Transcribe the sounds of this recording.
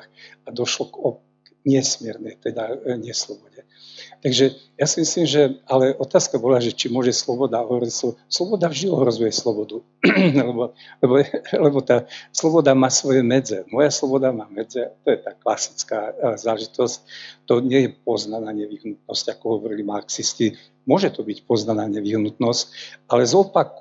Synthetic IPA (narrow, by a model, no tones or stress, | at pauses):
xad̪ɔʃlɔkɔ | ɲɪɛsmɪɛɾnɛjt̪ɛd̪aɲɪɛslɔbɔɟɛ | t̪aɡʒɛjasimislimʒɛalɛɔt̪aːskabɔlaːʒɛt͡ʃimʊɔʒɛslɔbɔd̪aɔɦɔʋɔɾicsɔslɔbɔd̪avʒd̪iɔɦɾɔzujɛslɔbɔd̪u | lɛbɔ | lɛbɔlɛbɔt̪aːslɔbɔd̪amaːsʋɔjɛmɛd͡zɛmɔjaslɔbɔd̪amaːmɛd͡zɛat̪ɔjɛt̪aːklasi̥t͡skaːzaːlɛʒit̪ɔsc̚t̪ɔɲɪɛjɛpɔznanaːɲɛʋiɦnut̪̚nɔscakɔɦɔʋɔɾilimaɾksisci | mʊɔʒɛt̪ɔbicpɔznanaːɲɛʋiɦnut̪nɔscalɛzɔpak